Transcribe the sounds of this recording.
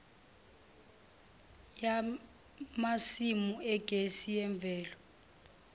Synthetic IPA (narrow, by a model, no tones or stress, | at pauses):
ja | masimuɛɡ̥ʱesijɛɱb̪vɛːlɔ